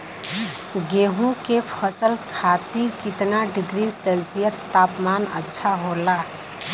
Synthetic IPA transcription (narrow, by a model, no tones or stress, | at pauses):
ɡeːɦũkepʰəsəlkʰaːt̪iːɾkɪt̪naɖɪɡɾisəlsijət̪ːaːpmaːnə̰tːʃʰaɦolaː